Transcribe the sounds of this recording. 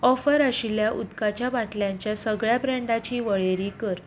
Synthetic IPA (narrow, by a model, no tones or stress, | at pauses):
ɔfəɾəɕiljaʔud̪kat͡ɕjabaʈljãɲt͡ɕjasəɡɭjabɾɛ̃ɳɖat͡ɕiːʋəɭeɾikəɾ